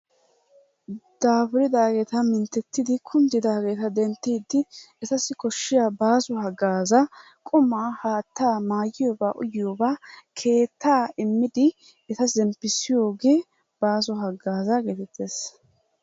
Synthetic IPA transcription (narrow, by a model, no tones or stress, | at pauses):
d̪̥aːbɾɪd̪aːɡeːt̪ɐmɪnt̪ːɛt̪ːɪd̪ɪkʰʊnd̪ɪd̪aːɡeːt̪ɐd̪ɛnt̪ːiːd̪ːɪɛt̪ɐsɪkɔʃːɪjaːbaːzɔhɐɡaːzɐ | kʼʊmaːhaːt̪ːaːmaːjɪjoːba̰ːʔʊ̰jɪjoːbaːkʰe̞ːt̪ːaːɪmːɪd̪ɪ | ɛt̪ɐzɛmpːɪsɪjo̞ːɡe̞ː | b̥aːzɔɦɐɡːaːzɐɡeːt̪ɛt̪ːeːs